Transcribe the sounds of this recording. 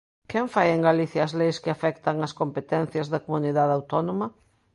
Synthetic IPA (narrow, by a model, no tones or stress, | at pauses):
kɛɱfajeŋɡaliθjɐːzlejskɪafɛkt̪ɐŋɐskompet̪ɛn̟θjɐzðɐkomuniðaðawt̪ɔnomɐ